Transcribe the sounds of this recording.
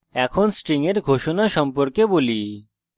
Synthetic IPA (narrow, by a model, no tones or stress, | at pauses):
ɛkʰonsʈɾiŋeɾɡʱoʃonaʃɔmpoɾkeboli